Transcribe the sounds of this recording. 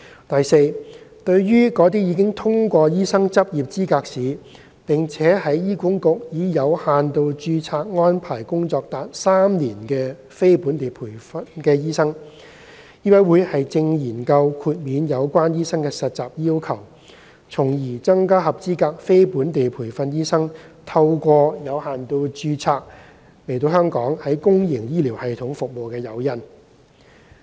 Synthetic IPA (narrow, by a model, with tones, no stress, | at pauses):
t̪ɐ˨jse˧jt̪ɵ˧ɥɥyː˥kɔː˨˥t̪̬iː˥jiː˨˧k̬ɪ˥ŋt̪ʰʊ˥ŋkʷɔː˧jiː˥sɐ˥ŋt͡sɐ˥p̚jiː˨p̚t͡siː˥kaː˧k̚siː˨ | pɪ˨ŋt͡sʰɛː˨˥hɐ˨˥jjiː˥ku˨˥ŋkʊ˨k̚jiː˨˧jɐ˨˧whaː˨nt̪o˨˧wt͡ʃyː˧t͡sʰaː˧t̚ŋɔː˥npʰaː˨˩jkʊ˥ŋt͡sɔː˧k̚t̪aː˨t̚saː˥mniː˨˩nkɛː˧ | fe˥jpuː˨˥nt̪e˨jpʰuː˨˩jfɐ˥nkɛː˧jiː˥sɐ˥ŋ | jiː˥wɐ˨˥wuː˨˧jhɐ˨jt͡sɪ˧ŋjiː˨˩nkɐ˧wkʰuː˨˧t̚miː˨˧njɐ˨˧wkʷaː˥njiː˥sɐ˥ŋkɛː˧sɐ˨t̚t͡saː˨˩p̚jiː˥wkʰɐ˨˩w | t͡sʰʊ˨˩ŋjiː˨˩t͡sɐ˥ŋkaː˥hɐ˨p̚t͡siː˥kaː˧k̚fe˥jpuː˨˥nt̪e˨jpʰuː˨˩jfɐ˧njiː˥sɐ˥ŋt̪ʰɐ˧wkʷɔː˧jɐ˨˧whaː˨nt̪o˧wt͡ʃyː˧t͡sʰaː˧k̚ | le˨˩jt̪o˧ɦœː˥ŋkɔː˨˥ŋhɐ˨˥jkʊ˥ŋjɪ˨˩ŋjiː˥liː˨˩whɐ˨jt̪ʰʊ˨˥ŋfʊ˨k̚mo˨wkɛː˧jɐ˨˧wjɐ˥n